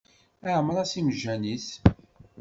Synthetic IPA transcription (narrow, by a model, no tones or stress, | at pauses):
æʕəmɾˤɑsimʒːæniθ